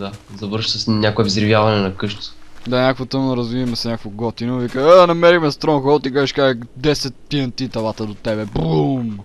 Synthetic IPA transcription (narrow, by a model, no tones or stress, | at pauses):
d̪azɐvɤɾʃsəsnʲakoɛvizɾivʲjavɐnɛnɐkɤʃt̪d̪aɲʲakəkvot̪əmnɐɾɐzvivɐmɛsɛnʲɲakvoɡɔt̪inovikəanɐmɛɾixmɛst̪ɾɔnxɔt̪ikaʒiʃkaʒɛd̪ɛsɛt̪̚piɐnt̪it̪ɐlˠat̪əd̪ot̪ɛbɛbum